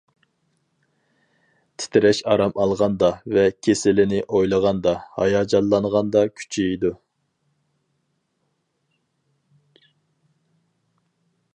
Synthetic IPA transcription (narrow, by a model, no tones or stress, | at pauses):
t̪ʰɪ̥t̪ʰɪɾɛʃɑɾɑmɑlˠʁɑnd̪ɑvɛkʲʰesɪlɪnɪʔojlˠəʁɑnd̪ɑhɑ̰jɑːd͡ʒɑllːɑnʁɑnd̪ɑkʲʰy̥t͡ʃʰejd̪u